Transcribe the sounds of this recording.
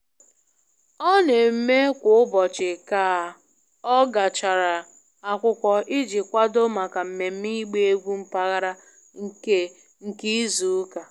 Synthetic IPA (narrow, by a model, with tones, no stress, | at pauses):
ɔ˦ne˨m̩˦me˦kʷʊ˨ʊ˦bɔ˨t͡ʃɪ˨ka˨ | ɔ˦ɡa˨t͡ʃa˨ɾa˨ | a˨kʷʊ˦kʷɔ˨ʔɪ˦d͡ʒɪ˨kʷa˦do˦ma˨ka˨m̩˨me˨m̩˦mi˦ɡ͡be˦e˦ɡʷu˦m̩˦pa˦ɣa˦ɾa˦ | ŋ̩˦ke˦ | ŋ̩˨ki˦zu˨˦ka˨